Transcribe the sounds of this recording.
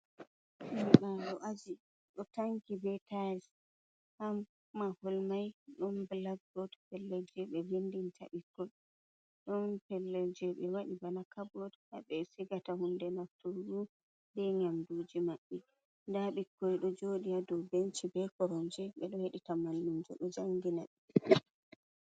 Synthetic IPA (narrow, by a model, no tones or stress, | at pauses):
miɓaɗɔʔad͡ʒi | ɗɔtaŋkibɛtas | hamː | aholmajɗɔnbɛlaɡːɔdpɛlːɛd͡ʒɛɓɛbendintʰa̰ɓikːɔ | ɗɔnpɛlːɛd͡ʒɛɓɛwaɗibanakʰabɔdhaɓɛsiɡatahundɛnaftuɾu | dɛɲamdud͡ʒimaɓːɛ | ndaɓikːɔjɗɔd͡ʒoɗijadɔwbent͡ʃibɛkɔɾɔnd͡ʒɛɓɛɗɔheɗitamanːumd͡ʒɔ̰ɗɔd͡ʒaŋɡinaɗi